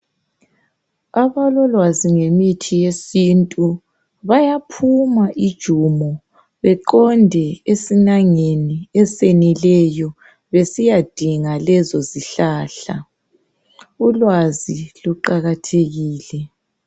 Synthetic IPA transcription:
aβalɔlwaziŋemitʰijesintʼu | βajapʰumaʔid̥ʒ̥ʱumɔ | βɛǃɔndʱɛesinaŋeniɛsenilɛjɔ | βesijad̥ʱiŋalɛzɔziɬaːɬa̰ | ulwaziluǃaɣatʰeɣiːlɛ

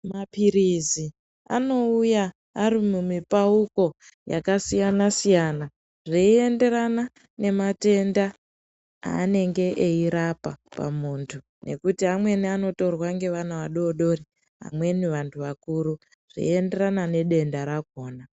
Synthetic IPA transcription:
mapiɾizi | a̰no̞ujaː | ɾimumipauko̞ | ja̰kasijanasijana | ʐiie̞nde̞ɾana | ne̞mate̞nda | a̰ːne̞ŋɡe̞ʔeiɾapapa̰muːntʰu | nʔe̞̰kutiɦamwe̞niano̞to̞rwaŋɡe̞ʋanaʋaɗo̞ɗo̞ri | ɦa̰mwe̞niʋantʰuʋakuɾu | ʐ̥ḭe̞nde̞ɾanane̞ɗe̞ndaɾakoːna

